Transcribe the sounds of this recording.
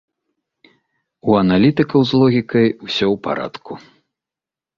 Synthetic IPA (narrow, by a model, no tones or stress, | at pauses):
uɐnalʲit̪ɨkɐwzlˠɔɣʲikɐjusʲɔwpa̰ɾa̰t̪ku